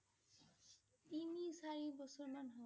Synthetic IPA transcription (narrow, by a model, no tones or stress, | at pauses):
imisaɾibɔsɔɾmanɦɔ